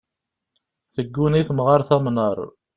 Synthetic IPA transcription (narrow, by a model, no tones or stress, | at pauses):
θəɡːuniθmʁaɾˤθæmnəɾˤ